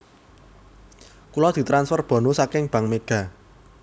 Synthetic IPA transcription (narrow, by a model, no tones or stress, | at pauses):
kulɔd̪̥i̤t̪ɾansfɔrb̥ɔ̤nusakɪŋb̥ä̤ŋmeɡ̥a̤